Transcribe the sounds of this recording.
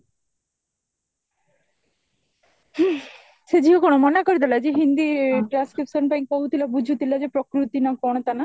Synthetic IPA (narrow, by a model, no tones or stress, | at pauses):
sed͡ʑʱiɦokonomɔnakoɾid̪alad͡ʑeɦind̪iʈɾanskɾipʃonpaj̃kkoɦut̪ʰilabud͡ʒʱut̪ilad͡ʑepɾokɾut̪inakɔɽ̃ɔt̪ana